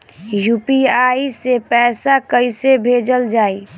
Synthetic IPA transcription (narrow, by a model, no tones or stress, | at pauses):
jupiaisepɛːsakəɪsebʱed͡ʒəld͡ʒaːi